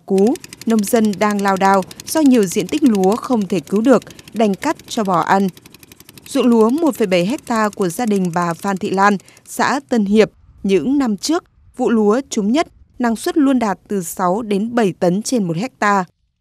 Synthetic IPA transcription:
ku˨˦nə˧wŋ͡mzə˧nɗaː˧ŋlaː˧wɗaː˧wz̥ɔ˧ɲi˨˩əwzḭ˧˨ənt̪ï˦˥k̟̚lu˨˦əxə˧wŋ͡mt̪ʰe˧˩kɨ˨˦wɗɨ˨˩ək̚ɗa˧˩jŋ̟ka˦˥t̚t͡ɕɔ˧ɓɔ˧˩ʔa˧n | zṵ˧˨əŋlu˨˦əmo˨˩t̚fə˧˩jɓə˧˩jɦɛ˦˥k̚t̪aː˧ku˧˩əzaː˧ɗï˨˩ŋ̟ɓaː˨˩faː˧nt̪ʰḭ˧˨laː˧n | sa̰ː˧˥t̪ə˧nɦi˨˩əp̚ | ɲɨ̰˧˥ŋna˧mt͡ɕɨ˦˥ək̚ | vṵ˧˨lu˨˦ət͡ɕu˨˦ŋ͡mɲə˦˥t̚na˧ŋswə˦˥t̚lu˧ənɗaː˨˩t̚t̪ɨ˨˩sa˨˦wɗe˨˦nɓə˧˩jt̪ə˨˦nt͡ɕe˧nmo˨˩t̚hɛ˦˥k̚t̪aː˧

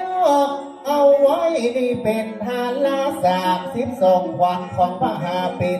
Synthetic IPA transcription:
ʔa˧wwa˦˥˩jni˧˩pe˧nt̪ʰaː˧laː˦˥˩saː˨˩˦msi˧˥p̚so˨˩ŋkʰwa˧nkʰɔ˧npa˧˩ɦaː˧pe˧

